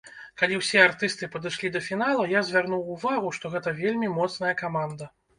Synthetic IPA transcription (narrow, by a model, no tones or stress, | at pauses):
kalʲiwsʲɛart̪ɨst̪ɨpɐd̪ɨʂlʲid̪ɐfʲin̪alˠɐjazʲvʲarnuwːvaɣuʂt̪ɔɣɛt̪ɐvʲelʲmʲimɔt̪snɐjɐkamand̪ɐ